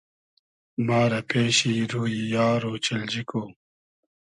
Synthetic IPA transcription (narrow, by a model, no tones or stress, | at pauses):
maːɾɐpeːɕiːɾuːjijaːɾoːt͡ɕɐld͡ʑikoː